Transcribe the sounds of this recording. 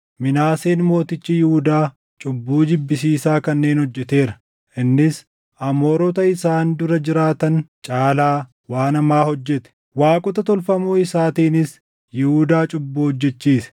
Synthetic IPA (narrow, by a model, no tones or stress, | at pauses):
mɪnaːseːnmo̞ːt̪ɪt͡ʃːɪjɪhʊd̪aː | t͡ʃʼʊbːuːd̪ɪbːɪsiːsaːkɐnːe̞ːnhɔd͡ʒːɛt̪e̞ːɾɐ | ʔɪnːɪs | ʔɐmoːɾɔt̪ɐɪsaːnd̪ʊɾɐd͡ʒɪɾaːt̪ɐnt͡ʃʼaːlaː | waːnɐmaːhɔd͡ʒːɛt̪ɛ̥ | waːkʼʊt̪ɐt̪ɔlfɐmuːɪsaːt̪iːnɪs | jɪhud̪aːt͡ʃʼʊbːuːhɔd͡ʒːɛt͡ʃːiːsɐ̥